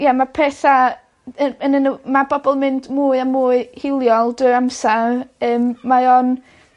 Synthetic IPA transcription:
jamapʰɛθa | əənənəmabɔbɔlˠmɪndmuːɨamuːɨhɪlˠjɔlˠdɪɾamsarəːmːaɔn

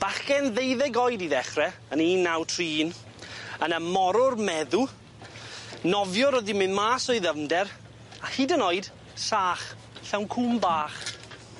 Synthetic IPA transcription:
b̥aχkɛnðejðɛɡɔjdiðɛχrɛəniːnːawtʰriːn | ənəmɔɾʊrmɛðu | nɔvjɔɾɔðimɨnmaːsɔɨðəmdɛɾ | ahidənɔɨd̥ | saːχ | ɬɛwnkʰʊmbaːχ

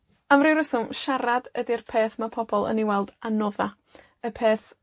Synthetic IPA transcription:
amrɪwɾəsʊʃaɾadədirpʰeːθmapʰɔbɔlˠə̰niwɛlˠd̥anɔða | əpʰeːθ

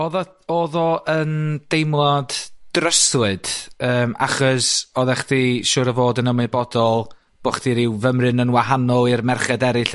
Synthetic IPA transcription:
oːðɔ | oːðɔʔənd̥ejmlˠɔdd̥rəswɨd̥əːmʔa̰χɔsɔðɛχdiʃʊːɾəvoːdənəmɨbɔdɔlˠ | b̥oχdiɾɪwvəmrɨnənwaɦanɔlˠɪrmɛrχɛdɛɾɨɬ

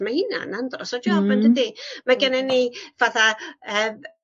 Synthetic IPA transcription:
mahɪna̰nandrɔsɔdjɔvmandədimaɡɛnɛnːivaθaəm

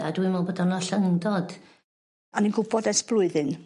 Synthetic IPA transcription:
adwɪmɔlˠbədɔnɔɬaŋɪndɔd̥ | aninɡʊbɔdɛsb̥lˠʊɨðɪn

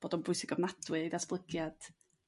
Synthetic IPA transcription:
b̥oːdɔnbʊjsɪɡɔvmadʰwɨedasb̥lˠəɡjad̥

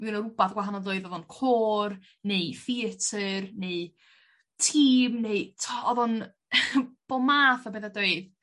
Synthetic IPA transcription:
miwnəɾʊbaθɡwaɦanɔdoːɨðɔðɔnkʰoːr | nejfiətʰərneɨ | tʰiːmneɨtʰɔðɔn | b̥ɔmaːθabeðadoɨð

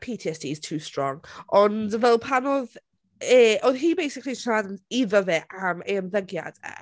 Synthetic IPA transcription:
pʰiːtʰiɛsd̥iz̥tʰuːstɹ̥ɔŋʔɔndvɛlˠpʰanɔð | ɛʔɔðɦiːbejsɪkliʃʰadəniðəvɛʔameənðəɡja̰d̥ɛ̰

